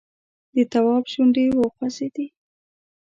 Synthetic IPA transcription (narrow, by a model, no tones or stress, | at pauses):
d̪ət̪awɑbʃuɳɖewəxwased̪i